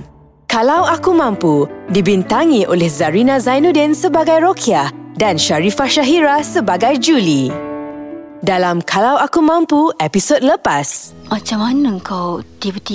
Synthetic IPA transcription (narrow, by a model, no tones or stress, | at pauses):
kalawakumãmpudibint̪aŋĩʔolɛhzaɾinãzajnũdɛnsəbaɡajɾokʰiahdanʃaɾifaʃaɦiɾasəbaɡajd͡ʒuli | dalamkʰalawakumãmpuɛpisod̚ləpas | mat͡ʃamanəəŋkawd̪ipət̪i